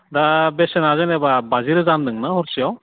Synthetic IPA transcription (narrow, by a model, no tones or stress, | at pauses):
dabesenazenebabaziɾɯzandɯŋnaɦɔɾsijaw